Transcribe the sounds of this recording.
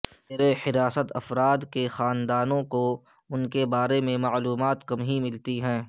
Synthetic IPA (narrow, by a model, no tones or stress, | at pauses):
eːɾehɪɾaːsət̪ɐfɾaːd̪kexaːnd̪aːnõkoʊnkebaːɾemẽmaːluːmaːt̪kɐmɦimɪlt̪iɦɛ̃ː